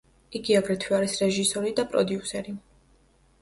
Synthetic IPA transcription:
iɡiaɡɾɛt̪ʰwiaɾisɾɛʒisɔɾid̪apʼɾɔd̪iusɛɾi

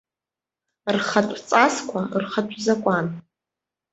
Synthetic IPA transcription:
rχatʷʼt͡sʼaskʷʰarχatʷʼzakʷʼan

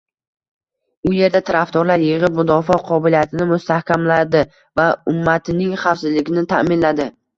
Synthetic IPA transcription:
ʊje̞ɾd̪at̪ʰaɾaft̪ɒɾlaɾjɪʁɪp̚mʊd̪ɒfɒqʰɒbɪlijat̪ʰɪnɪmʊst̪ahkʲamlad̪ɪ | vaʊmːat̪ʰɪnɪŋχɑwfsɪzlɪɡʲɪnɪt̪ʰamɪnlad̪ɪ

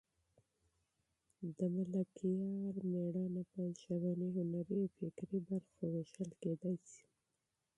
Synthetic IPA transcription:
d̪əmalakijɑɾmeɽɑnapajlʃawɑniɦʊnaɾəjfɪkɾibaɾxoweʃəlked̪ɑjsi̥

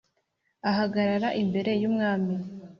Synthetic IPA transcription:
aɦaɡaɾaɾaʔimbe̞ɾe̞jumŋaːmi

